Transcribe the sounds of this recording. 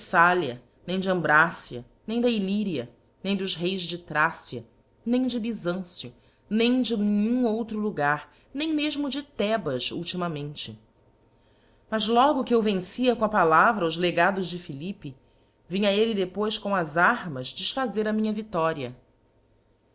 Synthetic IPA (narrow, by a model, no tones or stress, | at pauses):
saliɐ | nẽj̃d͡ʒɪɐ̃mbɾasiɐ̰ | nẽj̃d̪ɐiliɾiɐ | nẽj̃d̪ʊzɦejzd͡ʒɪt̪ɾasiɐ | nẽj̃d͡ʒɪbizɐ̃sjʊ | nẽj̃d͡ʒɪnĩɲũowt̪ɾʊluɡaɾ | nẽj̃meʒmʊd͡ʒɪt̪ɛbɐʃṵwt͡ʃimɐmẽnt͡ʃɪ | mɐzlɔɡʊkɪewvẽŋsiɐkõɐpalavɾɐʊzleɡad̪ʊzd͡ʒɪfilipi | vĩɲɐelɪd̪epojskõw̃ɐzaɾmɐzd͡ʒɪʃfazeɾɐmĩɲɐvit̪ɔɾiɐ